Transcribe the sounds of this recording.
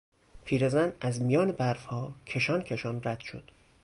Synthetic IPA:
pʰiːɾezænæzmijɒːnebæɾfhɒːkʰeʃɒːncʰeʃɒːnræd̪̥ʃo̰d̪̥

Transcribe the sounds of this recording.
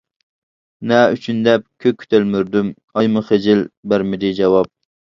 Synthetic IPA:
nɛyt͡ʃʰynd̪ɛp̚kʲʰøkʲʰːy̥t̪ʰælmyɾd̪ym | ɑjmuχed͡ʒɪlbæɾmɪd̪ɪd͡ʒɑwɑp̚

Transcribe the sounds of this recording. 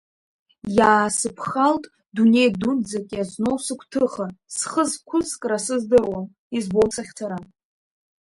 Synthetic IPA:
jaːsɨpʰχaltʼ | dune̞jdund͡zakʲʼazno̞wsɨkʷʰtʰɨχasχəzkʷʰʊskʼrasɨzdɨrwan | izbowt͡sʰʼaχʲtʰaɾa

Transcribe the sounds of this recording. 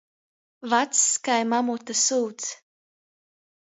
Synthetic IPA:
vat̪sːkajmamut̪asuːt̪s

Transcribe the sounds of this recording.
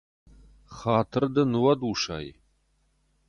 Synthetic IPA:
χaːtʰɨrd̪ɐnɨwɐduːʃa̰ːj̰

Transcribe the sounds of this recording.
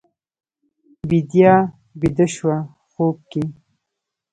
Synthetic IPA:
bid̪jɑ | bid̪əʃwa | xob̚ke

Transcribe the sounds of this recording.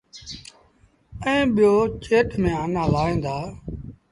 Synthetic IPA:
ə̃ːɓɪjoːt͡ʃeːʈʰmẽːaːnãːlaːĩːnd̪aː

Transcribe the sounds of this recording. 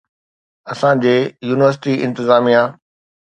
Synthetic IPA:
ɐsãd͡ʑeːjuːnɪʋəɾs̬ɪʈiɪ̰̃nt̪ɪzaːmijã

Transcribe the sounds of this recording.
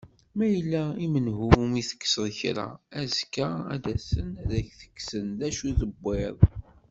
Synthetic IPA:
mæjəlːæimənɦumiθə̥kːsəðçɾa̰æzkːaæ̰d̪æsənæðæçθə̥kːsənðæʃuðəbːɪðˤ

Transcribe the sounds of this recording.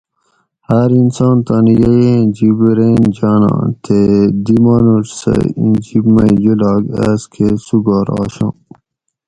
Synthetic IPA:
haɾinsɑːnt̪anjeẽd͡ʑibɾeːnd͡ʑaːnɑ̰̃ːt̪ʰed̪imaːnuʈsḛid͡ʑibmãid͡ʑulɑːɡæ̰skʰesuɡɑːɾɑ̰ːɕɑ̰̃ː

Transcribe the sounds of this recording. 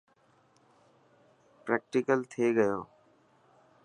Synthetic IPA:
pɾɛːk̚ʈɪkəlt̪ʰeːɡəjoː

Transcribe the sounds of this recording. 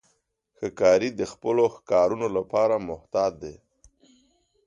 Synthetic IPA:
xəkɑɾid̪əxpəloxkɑɾunolapɑɾamʊht̪ɑd̪̚ːe

